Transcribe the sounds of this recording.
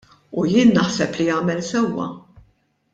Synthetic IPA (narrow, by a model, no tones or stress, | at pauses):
ujɪːnːɐħsɛplijɐːmɛlsɛwːɐ̰